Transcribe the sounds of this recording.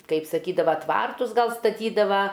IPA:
kɐɪp sɐˈkʲiːdɐʋɐ ˈtʋɐrtʊs ˈɡɐlˠ stɐˈtʲiːdɐʋɐ

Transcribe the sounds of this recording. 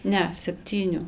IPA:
ˈnʲɛ sʲɛpʲˈtʲiːnʲʊ

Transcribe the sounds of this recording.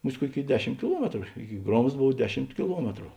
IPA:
ˈmʊsʲtʲ ˈkuɔˌkʲeːɪ ˈdʲæːˌʃʲɪm kʲɪˈlˠuɔmʲɛtrʊ ˈɪkʲɪ ˈɡroːmsts ˈboːw ˈdʲæːˌʃʲɪmt kʲɪˈlˠuɔmʲɛtrʊ

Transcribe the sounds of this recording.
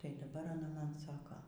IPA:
ˈtɐɪ dɐˈbɐr ɐˈnɐ ˈmɐn ˈsɑːkoː

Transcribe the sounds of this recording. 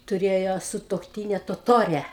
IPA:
tʊˈrʲeːjoː sʊtuɔkˈtʲiːnʲɛ toːˈtoːrʲɛ

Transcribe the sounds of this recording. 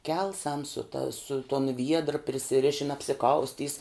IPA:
ˈkʲɛlˠsɐm sʊ tɐ sʊ toːn ˈʋʲiɛdrə pʲrʲɪsʲɪˈrʲɪʃʲɪn ɐpʲsʲɪˈkɐʊsʲtʲiːs

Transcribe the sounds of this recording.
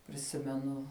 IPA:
pʲrʲɪˈsʲɪmʲɛnʊ

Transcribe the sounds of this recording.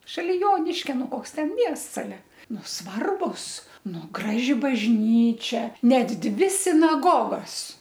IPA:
ʃɐˈlʲɪ ˈjoːnʲɪʃʲkʲɛ ˈnʊ ˈkoːks ˈtʲɛn ˈmʲiɛsts ɐˈlʲɛ ˈnʊ ˈsʋɐrbʊs ˈnʊ ˈɡrɑːʒʲɪ bɐʒʲˈnʲiːt͡ʃʲɛ ˈnʲɛt ˈdʲʋʲɪ sʲɪnɐˈɡoːɡoːs

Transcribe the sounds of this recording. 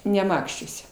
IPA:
nʲɛˈmɑːkʃʲt͡ʃʲuɔsʲɛ

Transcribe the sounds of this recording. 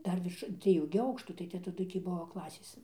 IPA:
ˈdɐr ʋʲɪrʃ d͡zʲʋʲiɛˈjuː ɡʲɪ ˈɐʊkʃtuː tɐɪ ˈtʲɛ tɐˈdʊ tʲiː ˈbuɔ ˈklˠɑːsʲeːs

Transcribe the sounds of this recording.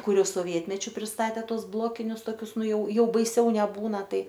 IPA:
ˈkʊr ˈjɛʊ soːˈʋʲiɛtʲmʲɛt͡ʃʲʊ pʲrʲɪsˈtɑːtʲeː ˈtuɔs ˈblˠoːkʲɪnʲʊs toːˈkʲʊs ˈnʊ ˈjɛʊ ˈjɛʊ bɐɪˈsʲɛʊ nʲɛˈbuːnɐ ˈtɐɪ

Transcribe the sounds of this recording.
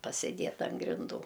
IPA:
pɐsʲɪˈdʲeːt ɐn ɡrʲɪnˈduː

